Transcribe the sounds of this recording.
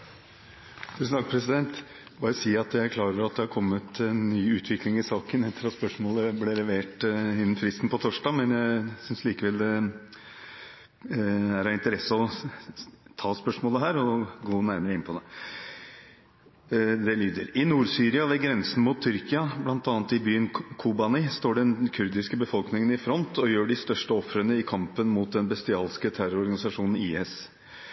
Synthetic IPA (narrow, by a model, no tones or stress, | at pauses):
t̪ʰʉːsn̩t̪ɑːkpʰɾɛsɪd̪ɛnt̪ | bɑːɾəsiːɑt̪jæɪkʰlɑːɾəɾɑt̪̚d̪ɛhɑɾkʰɔmːət̪ɛnːyːʉːt̪ʰʋɪklɪŋɪsɑːkənɛt̪ʰːəɾɑt̪spœʂmoːləblelɛʋeːʈɪnːn̩fɾɪst̪n̩pɔt̪ʰoːʂɖɑːmɛnjæsʏnsliːkəʋɛld̪ɛ | æɾɑɪnt̪əɾɛsːəɔ | t̪ʰɑːspœʂmoːləɦæːɾɔɡoːnæɾməɾəɪnpʰɔd̪ɛ | d̪ɛlyːd̪ə̰ɾɪnuːɾsyːɾɪɑʋɛɡɾɛnsən̩muːt̪ʰːʏɾkɪɑblɑnt̪ɑːnt̪ɪbyːənkʰubɑnɪst̪oːɖɛnkʰʉɾd̪ɪskəbəfɔlknɪŋənɪfɾɔnt̪ʰɔjøːɖɪst̪œʂʈəɔfɾənəɪkʰɑmpənmuːt̪̚d̪ɛnbɛst̪ɪɑːlskət̪ʰæɾʊɾɔɾɡɑnɪsɑʂuːnn̩iːɛs